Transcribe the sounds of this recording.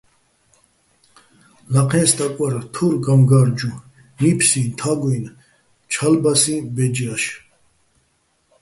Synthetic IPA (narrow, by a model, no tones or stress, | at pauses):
laqʰɛ̃nst̪ʼakʼwaɾt̪ʰuɾɡamɡaɾd͡ʒu | nipʰsĩnt̪ʰaɡwin | t͡ʃʰalbasĩbɛd͡ʒiaʃ